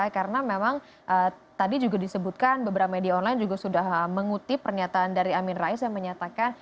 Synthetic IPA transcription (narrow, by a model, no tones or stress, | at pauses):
kaɾənamemaŋ | ʔə | t̪adid͡ʒuɡadisəbut̪̚kanbəbəɾapamediaonlajnd͡ʒuɡasudahəməŋut̪ipərɲat̪aːndaɾiamɪnraisjaŋməɲat̪akan